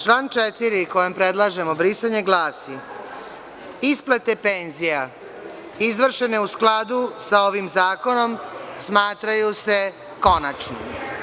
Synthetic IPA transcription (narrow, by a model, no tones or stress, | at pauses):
t͡ʃlaːnt͡ʃet̪iɾiko̞jempɾed̪lˠaʒe̞mo̞bɾisaɲe̞ɡlaːsi | isplet̪e̞peːnzija | izʋr̩ʃe̞ne̞usklˠad̪usao̞ʋimzaːko̞no̞msmaːt̪ɾajuse̞ | ko̞nat͡ʃnḭm